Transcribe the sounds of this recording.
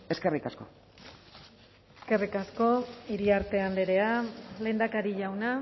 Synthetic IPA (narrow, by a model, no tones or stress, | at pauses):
e̞ske̞rikasko̞ | eske̞rikasko̞iɾiaɾt̪e̞and̪eɾe̞ale̞ːnd̪akaɾiʝawna